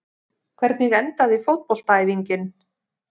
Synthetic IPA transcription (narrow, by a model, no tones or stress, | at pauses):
kʰvɛɾt̪nɪɣɛnt̪aðifowt̪̚pol̥t̪aːjðiɲcɪn